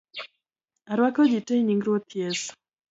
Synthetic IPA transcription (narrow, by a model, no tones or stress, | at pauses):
aɾwakɔd͡ʒitejɲiŋɡɾwot̪ʰjes